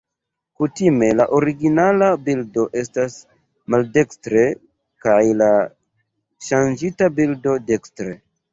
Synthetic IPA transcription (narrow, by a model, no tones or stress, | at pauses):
kutime̞laʔo̞ɾiɡinalabildo̞ʔe̞stas | malde̞kstɾe̞ | kajla | ʃand͡ʒitabildo̞de̞kstɾe